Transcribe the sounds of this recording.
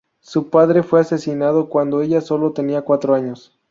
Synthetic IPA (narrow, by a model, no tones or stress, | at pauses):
supaðɾe̞fwe̞ase̞sinað̞o̞kwand̪oe̞ʝaso̞lo̞t̪eniakwat̪ɾoaɲo̞s